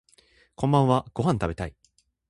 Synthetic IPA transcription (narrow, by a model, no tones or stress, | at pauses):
kõmbãɰ̃βaɡ̥o̞ɦãnt̪abe̞t̪ai